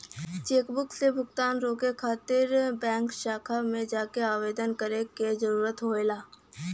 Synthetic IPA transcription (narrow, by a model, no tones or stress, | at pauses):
t͡ʃeːkbʊksebʱʊɡt̪aːnɾoːkekʰaːt̪ɪɾbɛ̃ːŋkʃaːkʰamẽd͡ʒaːkeaːʋeːd̪ənkəɾeked͡ʒəɾuːɾət̪ɦoːelaː